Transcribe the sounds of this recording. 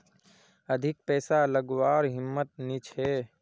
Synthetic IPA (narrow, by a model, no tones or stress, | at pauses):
əd̪ʱɪk̚pɛːsaləɡwaːɾɦɪmːət̪̚nit͡ʃʰɦeː